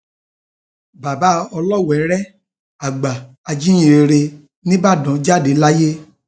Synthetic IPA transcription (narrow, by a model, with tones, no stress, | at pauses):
ba˨ba˨˦ɔ˧lɔ˦˨wɛ˨˦ɾɛ˦ | a˨ɡ͡ba˨ | a˧d͡ʒĩ˦ĩ˦˨e˧ɾe˧ | nĩ˦ba˦˨dɔ̃˨˦d͡ʒa˦˨de˨˦la˦je˦